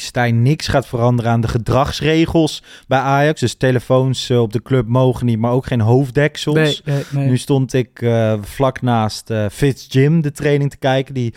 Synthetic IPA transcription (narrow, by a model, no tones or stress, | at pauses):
stɛjnːɪksχaːtfərɑndərənaːndəχədrɑχsrejχəlˠsbɛjʔaːjɑkzdɵstejləfownsɔb̚dəklɵp̚mowχənit̚maːɹowkχejnɦowfdɛksəlˠsnystɔntɪkv̥lɑknaːstəfɪtsd͡ʒɪmdətrejnɪŋtə̥kɛjkəndi